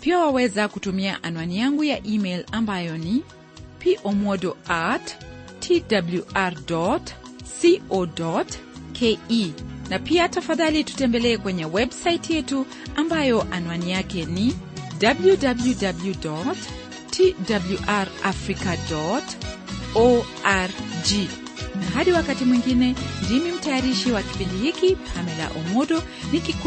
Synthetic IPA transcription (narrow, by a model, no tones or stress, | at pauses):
piawawɛzakutumiaʔanwanijaŋɡujaʔimɛjlambajɔni | piʔɔmɔdɔat | tʰːidabljuʔaɾdɔtsiɔdɔtkʰeinapiatafaðalitu̥tɛmbɛlɛːkwɛɲɛwɛbsaitjɛtu | ambajɔʔanuwanijakɛni | dabljudabljudabljudɔt | tʰidabluʔaɾʔafɾikadɔt | ɔʔaɾd͡ʒi | naɦaɗiwakatimwiŋɡinɛndimim̩tajaɾiʃiwaki̥pindihikiamɛla̰ʔɔmɔɗɔ | nikik